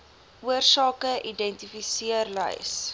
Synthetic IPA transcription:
uərsɑːkəʔidɛntifisiərlə̰js

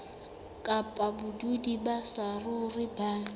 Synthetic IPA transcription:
kʼapʼabʊdudibasarʊrɪbaː

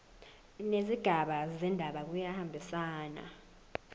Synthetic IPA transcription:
neziɡ̥ʱaɓazɛndʱaɓak̬ujahambʱisaːna̰

